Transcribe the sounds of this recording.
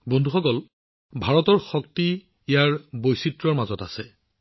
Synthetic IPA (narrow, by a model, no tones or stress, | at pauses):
bondʱuxɔkɔl | bʱaɹɔtɔɹxɔkti | ijaɹbojsitɹɔɹmazɔtasɛ